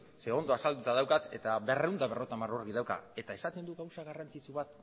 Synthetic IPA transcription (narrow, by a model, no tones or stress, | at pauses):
seo̞nd̪o̞asald̪ut̪aðawkat̪e̞t̪aβe̞reund̪aβe̞ro̞t̪amaro̞rɣiðawka̰e̞t̪ae̞sat̪e̞nd̪uɣawsaɣarant͡sit͡suβat̪